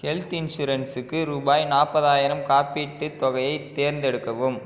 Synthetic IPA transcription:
kɛlt̪ɪnʂuːɾɐnsɯkːɯɾuːbaːjnaːpːɐðaːjɪɾɐmkaːpiʈːɯt̪ɔɣɐjɐɪt̪ːeːɾnd̪ɛɽɯkːɐʋɯm

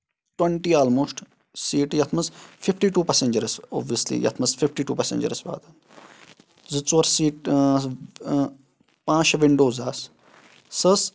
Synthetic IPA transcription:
ʈweɳʈiːaːlmoːsʈ | siːʈjɐt̪ʰmɐzfʰifʈiːʈuːpɛseɲd͡ʒɐɾso̰ːbʋijəslḭjɐ̰t̪ʰmɐsfʰifʈiːʈuːpɛsḛ̃d͡ʒə̰ɾsba̰ːd̪an | zɨt͡sɐɾsiːʈ | pãːt͡ʃʋiɳɖoːzaːsː | əs

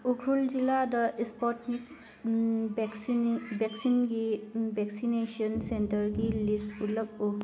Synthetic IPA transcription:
uɡʰɾulziladəʔispɔtnik̚ | bsbɛksinɡibɛksinesiɔnsɛntəɹɡilisulək̚uk

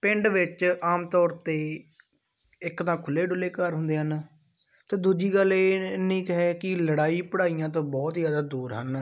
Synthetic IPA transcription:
pɪ̃ɳɖʋɪt͡ʃaːmt̪ɔːɾt̪eː | ɪkt̪ãːkʰʊleːɖʊleːkəɾɦʊnd̪eːɦən | t̪eːd̪uːd͡ʒiːɡəleːnĩːkɦɛːkɪləɽaːiːpəɽaːijãːt̪̬õːbɔːt̪zjaːd̪aːd̪uːɾɦən

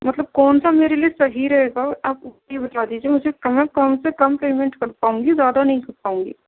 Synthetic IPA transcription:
mɐt̪ləb̚kɔːnsameːɾelijesɐɦiɾɐɦeːɡaaːp̚ʈebɐt̪aːd̪iːd͡ʒiemʊd͡ʒʱekmɛ̃kɐmsekɐmpeːmɛ̃ɳʈkɐɾpaːũːŋɡizjaːd̪anɐɦĩkɐɾpaːũːŋɡḭ

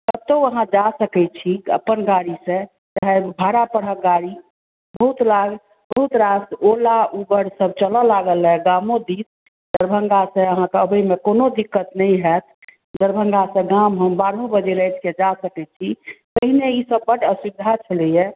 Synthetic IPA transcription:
t̪əb̚t̪oəɦãd͡ʒasəkɛt͡ʃʰiə̰pːənɡaɽisẽ | t͡ʃaɦebʱaɾapəɽəɡaɾi | bəɦut̪laɡ | bəɦut̪ɾasolaʔubəɾsəb̚t͡ʃələlaɡəlɦɛɡamõd̪is | d̪əɾbʱəŋɡasẽəɦãkeəbəjmekonod̪ikːət̪nəĩɦɛt̪ʰ | d̪əɾbʱəŋɡasə̃ɡamɦəmbaɾɦõbəd͡ʒeɾəjt̪ʰked͡ʒasəkɛt͡ʃʰit̪əɦineisəbːəʈəsibd̪ʱat͡ʃʰəlɛjɛ

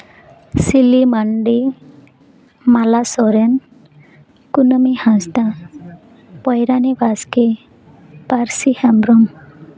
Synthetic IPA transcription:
silimaɳɖi | malasɔɾɛn | kunəmihãsda | pɔjɾanibaske | paɾsihambɾɔm

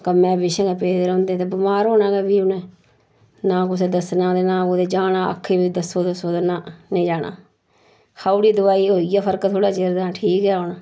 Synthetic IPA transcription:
kəmɛ̃ːbɪʃə̃ːɡɛːpeːd̪eɾõːnd̪eːt̪eːbɪmaːɾɦoːnãːɡɛːbiːʊnẽː | nãːkʊseːd̪əsnãːd̪eːnãːoːd̪eːd͡ʒaːnãːə̰kʰːeːbiːd̪əsoːd̪əsoːd̪enãːnẽːd͡ʒaːna̰ː | kʰaːuɽiːd̪ʊaːiːoːijaːpʰəɾkt̪ʰoːɽaːt͡ʃeːɾd̪aːʈʰiːkɛːɦoːnaː

